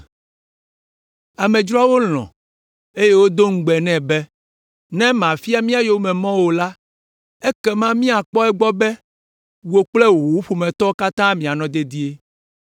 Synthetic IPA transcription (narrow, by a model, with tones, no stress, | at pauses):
a˨mɛ̃˨d͡ʒɾɔ˦a˦wo˦l̃ɔ̰̃˨ | e˦je˦wo˦d̪o˦ŋ̩˦ɡ͡bɛ˨nɛ̃˦˨bɛ˦ | nɛ̃˦mã˨fi˦a˦mĩ˦a˨jo˦mɛ̃˨mɔ̃˦wo˨la˦ | ɛ˦kɛ˦mã˦mĩ˦a˨k͡pɔ˦ɛ˦ɡ͡bɔ˦bɛ˦ | wo˨k͡plɛ˦wo˨wu˦ɸu˨mɛ̃˨t̪ɔ˦ka˦t̪ã˦mĩ˨a˨nɔ̃˦d̪e˦d̪i˦e˦